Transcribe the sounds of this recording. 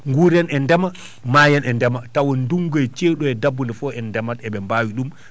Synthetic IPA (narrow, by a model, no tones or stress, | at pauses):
ŋɡuɾɛnɛndɛma | maːjɛnɛndɛmatawɔnnduŋɡɔɛt͡ʃeːɗuɛdabːundɛfɔɛndɛmatɛɓɛmbaːwiɗum